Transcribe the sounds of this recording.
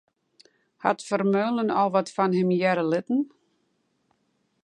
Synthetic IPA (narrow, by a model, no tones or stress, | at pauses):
ha̰tfərmøːlˠənɔlˠʋɔtfɔnhɪmjɛɾəlɪtn̩